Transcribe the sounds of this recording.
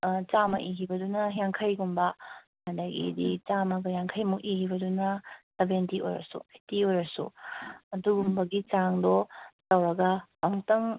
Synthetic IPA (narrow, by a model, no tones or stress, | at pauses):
t͡ʃamɐ̰ʔiɦibɐdunɐjaŋkʰɐjɡumbɐ | mɐndɐɡḭdit͡ʃamɐɡɐjaŋkʰɐjmukihibɐdunɐtɐbentiojɾɐ̰sṵɐjtiojɾɐsṵɐduɡumbɐɡit͡ʃaŋdɔtɐwɾɐɡɐpaŋtɐŋ